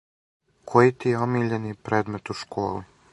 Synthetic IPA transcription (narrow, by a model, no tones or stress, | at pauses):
kʰojit̪ijeomiːʎenipɾeːd̪met̪uʃkʰoːli